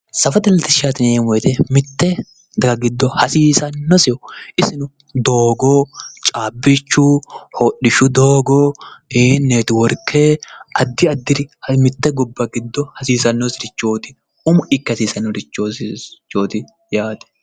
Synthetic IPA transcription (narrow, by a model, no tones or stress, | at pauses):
sɐfɐd̪ɐlt̪ɪʃaːt̪ɪneːmɔjt̪ɛmɪt̪ːɛ | ɡɐɡɪd̪ːɔhɐsiːsɐnːɔsɪjɔʔɪsɪnʊ | d̪oːɡoːt͡ʃʼaːbːɪt͡ʃːʊhoːɗɪʃʊd̪oːɡoːɪnːeːt̪ɪwɔɾkʰːeːɐd̪ːɪɐd̪ːɪɾɪhɐmɪt̪ːɛɡɔbːɐɡɪd̪ːɔhɐsiːsɐnːɔsɪɾɪt͡ʃːoːt̪ɪ | ʊmʊɪkːɐsiːsɐnːɔɾɪt͡ʃːot͡ʃːoːt̪ɪ | jaːt̪ɛ̥